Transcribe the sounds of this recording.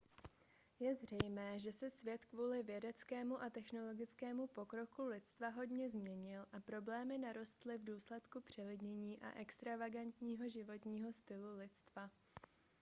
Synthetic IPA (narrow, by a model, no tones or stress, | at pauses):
jɛzr̝ɛjmɛːʒɛsɛsvjɛt̪kvuːlɪvjɛdɛt͡skɛːmuʔat̪ɛxno̞lo̞ɡɪt͡skɛːmupo̞kɾo̞kulɪt̪t͡st̪vaɦo̞dɲɛzmɲɛɲɪlʔapɾo̞blɛːmɪnaɾo̞st̪lɪvduːslɛt̪kupr̝̥ɛlɪdɲɛɲiːʔa̰ʔɛkst̪ɾavaɡant̪ɲiːɦo̞ʒɪvo̞t̪ɲiːɦo̞st̪ɪlulɪt̪t͡st̪va